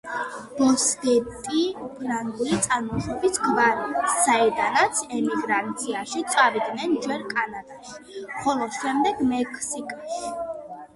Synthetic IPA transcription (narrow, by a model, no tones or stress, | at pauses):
b̥ɔskɛt̪ʼiupʼɾanulit̪sʼanmɔʁɛbisɡvaɾiasːaɛd̪anat̪sʰɛmiɡɾant̪sʰiaʃit̪sʼavid̪nɛnd͡ʒwɛɾkʼanad̪aʃi̥χɔlˠɔʃɛmd̪ɛɡmɛkʼʰsikʼaʃi̥